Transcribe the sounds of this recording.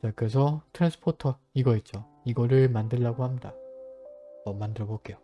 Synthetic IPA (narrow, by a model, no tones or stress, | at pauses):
t͡ɕakɯɾe̞s̬ʰʌtʰɯɾansʰɯ̥pʰotʰʌ | iɡʌit̚t͡ɕ͈o | iɡʌɾɯɭmandɯɭːaɡohamɲida̰ | ʌmandɯɾʌbok͈e̞jo